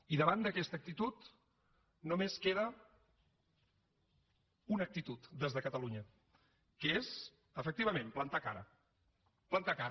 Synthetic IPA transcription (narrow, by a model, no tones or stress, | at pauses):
iðəβand̪əkɛst̪əːk̚t̪it̪ut̪ | nomeskeðə | unək̚t̪it̪ut̪d̪ezðəkət̪əluɲə | kəez | əfək̚t̪iβ̞əmẽmplənt̪akaɾə̰ | plənt̪akaɾ